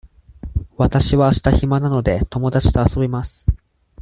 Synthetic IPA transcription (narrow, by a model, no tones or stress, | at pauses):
βat̪aɕiβaːɕi̥t̪açimanano̞d̪e̞t̪o̞mo̞d̪at͡ɕi̥t̪o̞aso̞bʲimasɨ̥